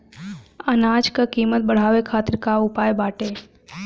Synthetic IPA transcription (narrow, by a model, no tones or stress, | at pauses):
ənaːd͡ʒkakiːmət̪̚bəɽ̤aːʋekʰaːt̪ɪɾkaʊpaːjbaːʈe